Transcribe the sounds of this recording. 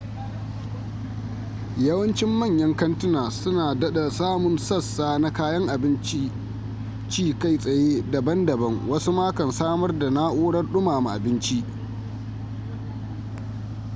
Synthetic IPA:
jɐ˦wɐ˦nt͡ʃɪ˦mːɐ˦˨ɲjɐ˦ŋkɐ˦ntʊ˦naː˨sʊ˦naː˨dɐ˦ɗa˨saː˦mʊ˨nsɐ˦sːaː˦na˦kaː˦jɐ˦ŋʔa˨bɪ˦nt͡ʃi˦ | t͡ʃiː˦ka˦˨jsʼɐ˨jeː˦dɐ˨bɐ˦ndɐ˨bɐ˦ŋwɐ˦su˦maː˦kɐ˨nsaː˦mɐ˦rda˨na˦ʔoː˦ɽɐ˦rɗʊ˦maː˨ma˨ʔa̰˨bɪ˦nt͡ʃi˦ʔ

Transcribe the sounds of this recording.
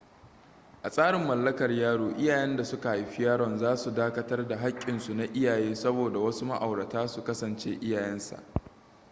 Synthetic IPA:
ʔa˨sʼaː˦ɽɪ˨mːɐ˨lːɐ˦kɐ˨rjaː˦ɽoː˨ʔɪ˦jaː˨jɛ˦nda˨sʊ˦ka˨ha˨jɸɪ˦jaː˦ɽɔ˨nzaː˦su˨daː˦kɐ˦tɐ˦rda˨ɦa˦kʲʼːɪ˨nsu˨na˨ʔɪ˦jaː˨jeː˦sɐ˦boː˨da˨wɐ˦su˦ma̰˦ʔa˨wɽɐ˨taː˦su˨kɐ˦sɐ˨nt͡ʃeː˦ʔɪ˦jaː˨jɛ˦nsa̰˨ʔ

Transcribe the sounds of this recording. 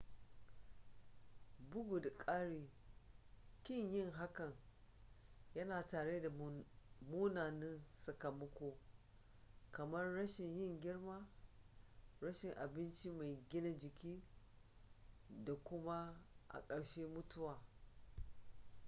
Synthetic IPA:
bʊ˦ɡʊ˨dkʼaː˦ɽiː˨ | kʲɪ˦ɲjɪ˦˨ŋɦa˦kɐ˨ŋ | jɐ˦naː˨taː˨ɽeː˦da˨ | muː˦naː˨nɪ˦nsɐ˨kɐ˨mɐ˦kʷoː˦ | kɐ˨mɐ˦rːɐ˦ʃɪ˨ɲjɪ˦˨ŋɡʲɪ˦ɽmaː˦ | ɾɐ˦ʃɪ˨ŋʔa˨bɪ˦nt͡ʃi˦ma˨jɡʲɪ˦na˦d͡ʒɪ˨kʲiː˦ | da˨kʷʊ˦ma˦ʔa̰˨kʼɐ˨ɽʃeː˦mʊ˦tʊ˦waː˨

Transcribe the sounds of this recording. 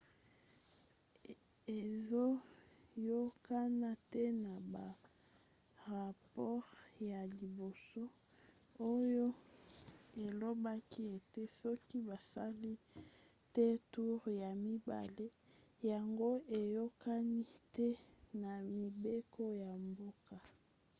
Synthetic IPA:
e˨zo˦jo˦ka˦na˦te˦na˨ba˨ | ʁa˨pɔ˦ʁja˨li˨bo˨so˦ | o˦jo˦ | e˨lo˦ba˦ki˦e˨te˦sɔ˦ki˦ba˨sa˦li˦ | te˦tu˦ʁja˨mi˦ba̰˨le˦ja˨ŋɡo˦e˨jo˦ka˦ni˦tɛ˦na˨mi˨be˦ko˦ja˨mbo˦ka˨

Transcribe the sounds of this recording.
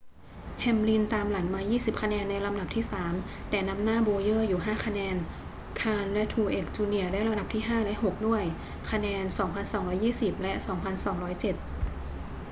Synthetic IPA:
hʰɛ˧mli˧nt̪aː˧mla˩˦nmaː˧jiː˥˩si˨˩p̚kʰa˧nɛː˧nːa˧jla˧mda˨˩p̚t̪ʰiː˥˩saː˩˦m | t̪ɛː˨˩na˦˥mnaː˥˩boː˧jɤː˥˩juː˨˩ɦaː˥˩kʰa˧nɛː˧n | kʰaː˧nlɛ˦˧˥t̪ʰuː˧˩ʔeː˨˩k̚t͡ɕuː˧ni˧˩ədaː˥˩jɾa˧da˨˩p̚t̪ʰiː˥˩ɦaː˥˩lɛ˦˥ɦo˨˩k̚du˥˩əj | kʰa˧nɛː˧nsɔː˩˦ŋpʰa˧nsɔː˩˦ŋɾɔː˦˥jːiː˥˩si˨˩p̚lɛ˦˥ʔsɔː˩˦ŋpʰa˧nsɔː˩˦ŋɾɔː˦˥jt͡ɕe˨˩t̪̚

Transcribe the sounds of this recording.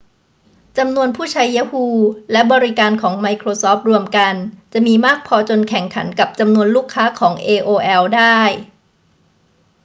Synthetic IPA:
t͡ɕa˧mnu˧ənpʰuː˥˩t͡ɕʰaː˧jːa˦˥huː˧lɛ˦˥bɔː˧ɾi˦˥kaː˧nkʰɔː˩˦ŋma˧jkʰɾoː˧sɔː˦˥p̚ɾu˧əmka˧nt͡ɕa˨˩ʔmiː˧maː˥˩k̚pʰɔː˧t͡ɕo˧nkʰɛ˨˩˦ŋkʰa˩˦nka˨˩p̚t͡ɕa˧mnu˧ənluː˥˩kʰːaː˦˥kʰɔː˩˦ŋʔeː˧ʔoː˧ʔɛː˧wdaː˥˩j

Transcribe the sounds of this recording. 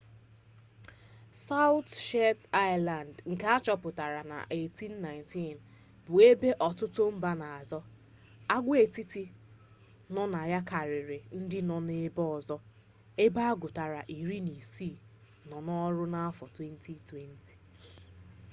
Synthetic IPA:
sa˦ʊ˦tʃe˦ta˦ɪ˦la˨ndŋ̩˨ke˦a˦t͡ʃɔ˦pʊ˨ta˨ɾa˨na̰˨ʔe˦˨ti˦n̩ː˦a˨ɪ̃˨nti˦˨n | bʊ˨e˦be˦ʔɔ˨tʊ˦tʊ˦m̩˦ba˦na˨a˨zɔ˦ | a˦ɡʷe˦˨ti˦ti˦ | nɔ˦na˨ja˦ka˨ɾɪ˨ɾɪ˨n̩˦dɪ˦nɔ˨ne˦bɔ˦˨zɔ˦ | e˦ba˦ɡʊ˨ta˨ɾa˨ʔi˨ɾi˦ni˨si˦˨ | nɔ˨nɔ˦ɾʊ˦na˦a˦fɔ˨twe˦n̩˦tʰi˦twe˦n̩˦ti̥˨

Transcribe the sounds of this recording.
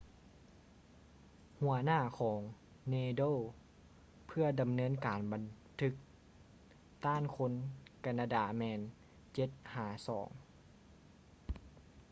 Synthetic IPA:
hu˧˩ɐnaː˥˩kʰɔː˩˦ŋ | neː˧doː˥˨ | pʰɯ˧˩ɐda˨mnɤː˧˥˨nkaː˨˩nba˨n | t̪ʰɯ˧˦˥k̚ | t̪aː˥˨nkʰo˧˥nka˧˩naː˧daː˧˩mɛː˧n | t͡ɕe˧˦t̪̚haː˨˩˦sɔː˩˦ŋ

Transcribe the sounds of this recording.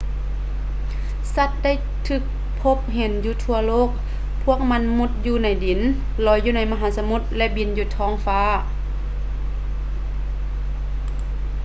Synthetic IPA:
sa˧˩t̪̚da˥˩˨j | t̪ʰɯː˧˩k̚ | pʰo˧˥p̚ɦe˨˦njuː˧t̪ʰu˧ɐloː˥˨k̚ | pʰu˥˩ək̚ma˧˥˨nmu˧˩t̪̚juː˧na˧˥jdi˨˦n | lɔː˧˦jːuː˧na˧˥jma˧ɦaː˨˦sa˧mu˧˩t̪̚lɛ˧ʔbi˧˥njuː˧t̪ʰɔː˧˥˩ŋfaː˧˥˨

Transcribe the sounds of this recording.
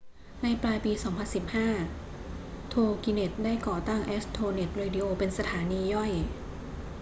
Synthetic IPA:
na˧jplaː˧jpiː˧sɔː˩˦ŋpʰa˧nsi˨˩p̚haː˥˩ | t̪ʰoː˧ki˧ne˨˩t̪̚daː˥˩jkɔː˨˩t̪a˥˩ŋʔe˦˥st̪ʰoː˧ne˨˩t̪̚ɾeː˧di˧ʔoː˧pe˧nsa˧t̪ʰaː˩˦niː˧jɔ˥˩j

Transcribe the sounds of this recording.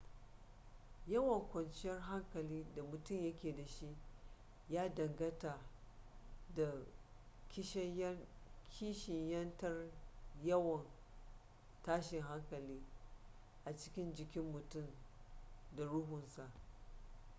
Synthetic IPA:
jɐ˦wɐ˨ŋkʷɐ˨nt͡ʃɪ˦jɐ˦rɦa˦ŋkɐ˨liː˦da˨mʊ˨tʊ˦˨mjɐ˦kʲeː˨da˨ʃi˦ʔ | jaː˦dɐ˨ŋɡɐ˦taː˨ | da˨ | kʲɪ˦ʃɐ˦kʲʰiː˦ʃɪ˨ɲjɐ˦ntɐ˦rjɐ˦wɐ˨n | taː˦ʃɪ˨ŋɦa˦ŋkɐ˨liː˦ | ʔa˨t͡ʃɪ̥˦kʲɪ˦nd͡ʒɪ˨kʲɪ˦mːʊ˨tʊ˦˨m | da˨ɽʊ˦ɦʊ˨nsa˨ʔ

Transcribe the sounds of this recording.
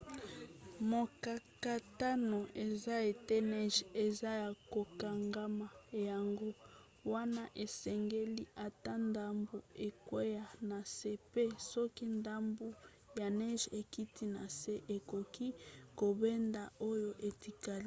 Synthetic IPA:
mo˨ka˨ka˨ta˦no˨ʔe˨za˦e˨te˦nɛ˦ʒe˨za˦ja˨ko˨ka˨ŋɡa˦ma˨ja˨ŋɡo˦ | wa˦na˦ʔe˨sɛ˨ŋɡe˦li˦ʔa˨ta˦nda˦mbo˨e˨kwe˦ja˨na˨se˦pe˦sɔ˦ki˦nda˦mbo˦ | ja˨nɛ˦ʒe˨ki˦tʰi˦na˨se˦ʔe˨ko˨ki˦ko˨be˦nda˨o˦jo˦ʔe˨ti˨ka˨l

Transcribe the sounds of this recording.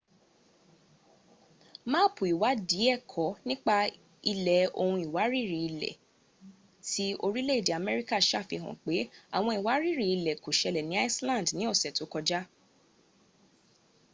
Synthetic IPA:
mãː˦pu˨i˨wa˨˦di˨˦ɛ˦˨kʰɔ˨˦nĩ˦k͡pa˧ | i˧lɛ˨o˧hũ˧i˨wa˨˦ɾi˦˨ɾi˨i˧lɛ̰˨ | ti˨˦o˧ɾi˦le˦i˨de˨a˨mɛ˦ɾi˦ka˦˨ʃa˦˨fi˧ɦɔ̰̃˨k͡pe˨˦a˨w̃ɔ̃˧i˨wa˨˦ɾi˦˨ɾi˨i˧lɛ˨ko˨ʃɛ˧lɛ˨nĩ˨˦a˦i˦slã˦˨ndnĩ˨˦o˦˨sɛ˨to˨˦kɔ˧d͡ʒa˦

